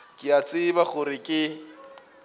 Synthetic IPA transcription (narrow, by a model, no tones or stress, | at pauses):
kʼɪat͡sʼɪbaχʊɾɪkʼɪ